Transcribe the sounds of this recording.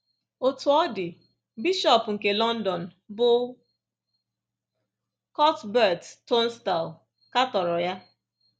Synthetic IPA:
o˨tʊ˨ɔ˦dɪ˨ | bi˦ʃɔ˨pŋ̩˨ke˨lɔ˦n̩˦dɔ˨n̩˨ | bʊ˦ | kɔ˦tbɛ˦˨ttːɔ˦n̩˦sta˨l | ka˦tɔ˨ɾɔ˨ja˦

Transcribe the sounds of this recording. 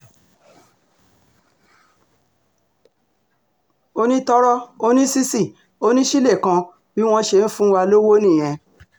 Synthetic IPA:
o˧nĩ˦tɔ˦ɾɔ˦o˧nĩ˦si˦si˦˨ | o˦nĩ˦ʃi˦le˦˨kã˧ | bi˦w̃ɔ̃˦ʃe˧n̩˦fũ˦wa˧lo˦wo˦nĩ˦˨j̃ɛ̃˨

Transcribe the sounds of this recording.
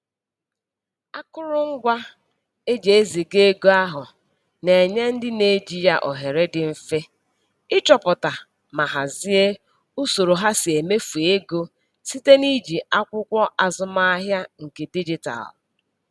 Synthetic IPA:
a˦kʊ˦ɾʊ˦ŋ̩˦ɡʷa˦ | e˦d͡ʒe˨e˦zi˨ɡe˦ɡo˦a˦ɦʊ˨ | ne˨ɲe˦n̩˦dɪ˦ne˨d͡ʒi˨ja̰˨ʔɔ˨ɦe˨ɾe˦dɪ˨m̩˦fe˦ | ɪ˦t͡ʃɔ˨pʊ˨ta˨ | ma˨ɦa˨zi˦e˦ | u˦so˨ɾo˨ɦa˦sɪ˨e˨me˦fu˨e˦ɡo˦ | si˦te˦ni˦d͡ʒi˨a˦kʷʊ˦kʷɔ˦ʔa˨zʊ˦ma˦a˦ɦja˦ŋ̩˨ke˨di˦d͡ʒi˦ta̰˨l

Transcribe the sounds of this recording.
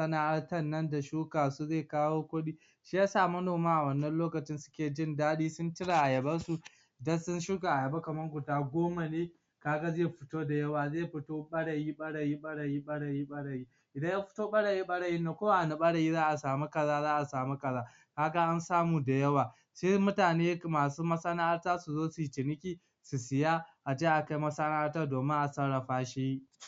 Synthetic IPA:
sɐ˦na˨ʔa˦ɽtɐ˦nːɐ˦nda˨ʃuː˦kaː˨su˦zeː˦˨kaː˦woː˦kʷʊ˦ɗiː˦ | ʃiː˦jaː˦saː˦˨mɐ˦noː˨maː˦ʔa˨wɐ˦˨nːɐ˦nloː˦kɐ˨t͡ʃɪ˦nsʊ̥˦kʲeː˨d͡ʒɪ˦ndaː˦ɗiː˦sʊ˦ntɪ˦ɽa˨ʔa˨jɐ˨bɐ˦su˨ | dɐ˦sʊ˦nʃʊ˦ka˨ʔa˨jɐ˨ba˦kɐ˨mɐ˦ŋɡʷʊ˨taː˨ɡʷoː˦ma˨neː˦ | kaː˦ɡa˦zeː˦jɸɪ˨toː˦da˨jɐ˦waː˨zeː˦jɸɪ˨toː˦ɓɐ˦ɽɐ˨jiː˦ɓɐ˦ɽɐ˨jiː˦ɓɐ˦ɽɐ˨jiː˦ɓɐ˦ɽɐ˨jiː˦ɓɐ˦ɽɐ˨jiː˦ | ʔɪ˨dɐ˦jja˦ɸʊ̥˦toː˦ɓɐ˦ɽɐ˨jiː˦ɓɐ˦ɽɐ˨jɪ˦nːa˨kʷoː˦wa˦˨ʔa˨na˦ɓɐ˦ɽɐ˨jiː˦zaː˦ʔa˨saː˨mu˦kɐ˨zaː˦zaː˦ʔa˨saː˨mu˦kʼɐ˨zaː˦ | kaː˦ɡa˦ʔa˦nsaː˦muː˨da˨jɐ˦waː˨ | ʃeː˦mʊ˦taː˨neː˦maː˨suː˦mɐ˦sa˦na˦ʔa˦rtaː˦su˨zoː˦su˨jt͡ʃɪ˨nɪ˦kʲiː˨ | su˨sɪ˨jaː˦ʔa˨d͡ʒeː˦ʔa˨ka˦jmɐ˦sa˦na˦ʔa˦ɾtaː˦doː˨mɪ˦ŋʔa˨sɐ˦ɽɐ˨ɸaː˦ʃi˦ji˦

